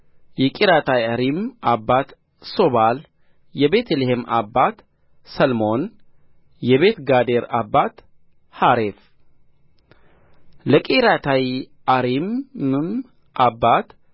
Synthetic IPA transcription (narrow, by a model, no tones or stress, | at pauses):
jɛkʼiɾat̪ʰajaɾimʔabːat̪ | sobal | jɛbe̞t̪ʰlehemʔa̰bːat̪ | səlmo̞n | jɛβet̪ɡad̪eɾabːat̪ | haɾef | ləkʼiɾat̪ʰaj | aɾimɨm | ʔabːat̪